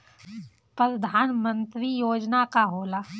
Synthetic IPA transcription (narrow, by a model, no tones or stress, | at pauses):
pɾəd̪ʱaːnmə̃nt̪ɾijoːd͡ʒnakaɦoːlaː